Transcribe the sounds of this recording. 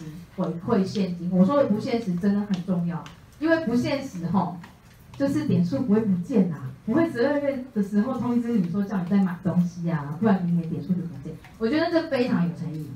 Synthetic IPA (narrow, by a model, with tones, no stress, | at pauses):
xwe˧˥ɪkʰwe˥˧ɪɕjɛ˥˧nt͡ɕi˥nwɔ˨˩wɔ˥də˨˩pu˧˥ɕjɛ˥˩nʂɻ̩˧˥ʈ͡ʂə˥nd̪ə˨˩xə˨˩nʈ͡ʂʊ˥˧ŋjɑ˥˩ʊ | i˥nwe˥˩ɪpu˧˥ɕjɛ˥˩nʂɻ̩˧˥xɔ˥˩ʊ | t͡ɕjo˥˧ʊʂɻ̩˥˩t̪jɛ˨˩nʂu˥˩pu˧˥xwe˥˩pu˧˥t͡ɕjɛ˥˩na˩pu˧˥xwe˥˩ɪʈ͡ʂ̩˧˥o˥˧˥ə˥˩d̪̥ə˨˩ʂɻ̩˧˥xo˥˧ʊt̪ʰʊ˥ŋi˧˩t͡sɹ̩˥˨˩o˧jŋi˨˩t͡sa˥˩ɪma˨˩ɪt̪ʊ˥ŋɕi˥a˨u˥˩wa˥ni˧˥jɛ˧˥nt̪jɛ˨˩nʂu˥˧t͡ɕjo˥˩ə˧˥nt͡ɕjɛ˥˩n | wɔ˨˩t͡ɕɥɛ˧˥d̪ə˧ʈ͡ʂɤ˥˩fe˥ɪʈ͡ʂʰɑ˧˥ŋjo˨˩ʊʈ͡ʂʰə˧˥ni˥˨˩